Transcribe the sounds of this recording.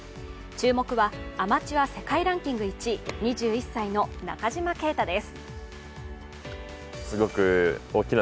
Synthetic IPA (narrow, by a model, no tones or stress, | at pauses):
t͡ɕɨːmo̞kɯ̟βaamat͡ɕiβase̞kaiɾãŋkʲĩŋɡɯ̟it͡ɕiɲ̟iʑɨːisːaino̞na̰kaʑimake̞ːt̪ad̪e̞sɨ̥ | sɨɡo̞kɯ̟oːkʲin